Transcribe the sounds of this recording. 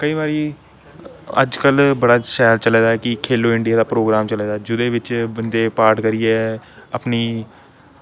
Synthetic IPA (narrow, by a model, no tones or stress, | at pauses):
kəiːβaːɾiː | ə̰d͡ʒkəlbəɽaːʃɛːlt͡ʃəlɛːd̪aːɛkɪkʰeːloːɪ̃ɳɖɪjaːd̪aːpɾoːɡɾaːmt͡ʃəlɛːd̪aːd͡ʒʊd̪eːʋɪt͡ʃbənd̪eːpaːɾʈkəɾijeːə̰pniː